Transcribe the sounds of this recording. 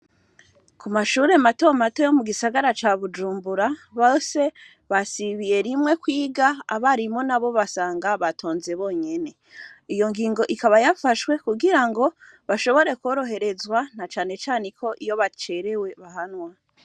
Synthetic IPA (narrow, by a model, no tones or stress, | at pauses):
kumaʃuːɾe̞mato̞mato̞jo̞muɡisaɡaɾat͡ʃaβud͡ʒuːmbuɾaβose̞ | βasiβije̞ɾimŋwe̞kwiːɡaːβaɾimo̞naβo̞βasaːŋɡaβatʰo̞ːnze̞βo̞ːɲe̞ne̞ | ijo̞ŋɡiːŋɡo̞ʔikaβajafaʃwe̞kuɡiɾaŋɡo̞ | βaʃo̞βo̞ɾe̞ko̞ːɾo̞ɦe̞ɾe̞zwanat͡ʃaːne̞t͡ʃaːnekʰo̞ʔijo̞βat͡ʃe̞ɾe̞we̞βaɦanwa